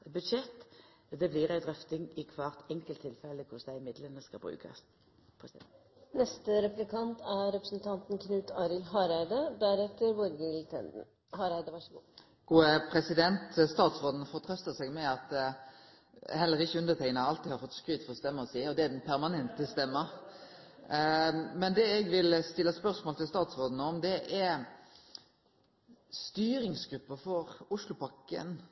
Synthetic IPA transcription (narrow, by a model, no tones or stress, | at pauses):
bʉd̪ʃɛt̪ː | d̪ɛbliːɾæɪd̪ɾœft̪ɪŋɪkʰʋɑːʁt̪ɛŋkəlt̪ʰːɪlfɛlːəkʰʊsd̪æɪɪmɪd̪lənəskɑbɾʉ̰ːkʰɑ̰s | nɛst̪əɾɛplɪkʰɑnt̪æɾɾɛpɾəsnt̪ʰɑnt̪n̩kʰnʉːt̪ʰɑːɾɪlɦɑɾæɪd̪əd̪æɾɛt̪ːəɾʋʊɾɡɪlt̪ʰɛ̰nd̪n̩ | hɑːɾæɪd̪əʋɑʂəɡṵː | ɡ̥uːəpʰʁɛsɪd̪ɛnt̪st̪ɑːt̪sʁoːd̪n̩fɔʁt̪ʰɾœst̪əsɛɡmɛɑt̪ | hɛlːəɾɪçəʉnd̪əʁt̪ɛŋnəɑlt̪iːhɑɾfɔt̪ːskɾyːt̪fɔɾɔst̪ɛmːəɾɔsiːɔd̪ɛæd̪ɛnpʰæɾmɑnɛnt̪əst̪ɛmːə | mɛnd̪ɛɛɡʋɪlst̪ɪlːəspœʁsmoːlt̪ʰɪlst̪ɑːt̪sʁoːd̪n̩əɔmd̪ɛʔɛ | st̪yːɾɪŋsɡɾʉpːəfɔɾʊʂlʊpʰɑkːə̰n